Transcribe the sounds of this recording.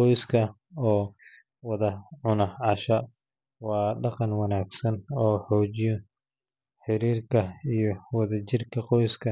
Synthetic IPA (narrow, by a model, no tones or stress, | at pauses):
qɔjskʰɐ | ɔː | wɑðɐʕʊnɐʕɑʃɐ | wɑːɖɑqɑnwɑnaːɡsɐnɔːħɔːt͡ʃɪjɔ | ħɪɾiːrkʰɐijɞwɑðɐt͡ʃɪrkʰɐqɔjskʰɐ